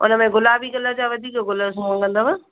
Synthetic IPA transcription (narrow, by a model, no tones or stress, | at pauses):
ʊ̰nəmẽɡʊlaːbʱikələd͡ʑaʋɐd̪ʱiːkoɡʊləsũmə̃kɐ̃nd̪omə